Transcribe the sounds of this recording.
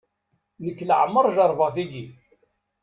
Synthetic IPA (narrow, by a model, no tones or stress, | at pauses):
nəkːləʕəmːəɾˤʒɑɾˤvɑθiɡi